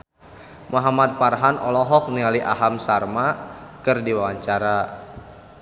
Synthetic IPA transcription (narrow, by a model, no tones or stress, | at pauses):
mɔɦamat̪̚farɦanɔlɔɦɔk̚nialiʔaɦamsarmakɨrdiwawaɲt͡ʃaɾa